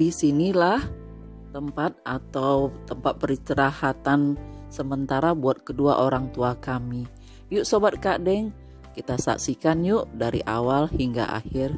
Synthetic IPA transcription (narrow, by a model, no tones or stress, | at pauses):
disinilah | t̪əmpat̪̚at̪aut̪əmpat̪̚pəɾit͡ʃəɾahat̪ansəmənt̪aɾabuat̪̚kədua̰ʔoɾaŋt̪uakami | juʔsobat̪̚kadɛŋ | kit̪asa̰ksikanjuʔdaɾḭʔa̰walhiŋɡa̰ʔa̰hɪr